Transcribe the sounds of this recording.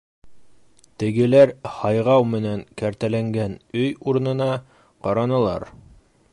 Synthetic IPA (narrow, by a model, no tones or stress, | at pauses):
t̪ɘ̆ɡɘ̆læɾhɑjʁɑwmɘ̆næŋkæɾt̪ælæŋɡænɵjuɾnɤ̆nɑ | qɑɾɑnɤ̆lˠɑ̰ɾ